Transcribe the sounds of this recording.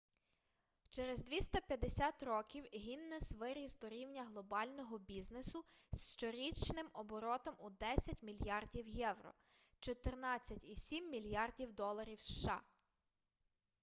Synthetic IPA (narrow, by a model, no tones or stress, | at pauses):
t͡ʃɛɾezd̪ʲʋʲist̪ɐpʲjɐd̪esʲat̪rɔkʲiwɦinːɛsʋɪɾʲisd̪ɔɾʲiwnʲɐɦlˠɔbɑlʲnɔɦɔbʲiznesʊsʃt͡ʃɔɾʲit͡ʃnɪmɔbɔɾɔt̪ɔmud̪ɛsʲɐtʲmʲilʲjɑrdʲiwjɛwrɔ̰ | t͡ʃɔt̪ernɑt͡sʲːɐtʲisʲimːʲilʲjɑrdʲiwd̪ɔlˠɐɾʲiwsʃɑ̰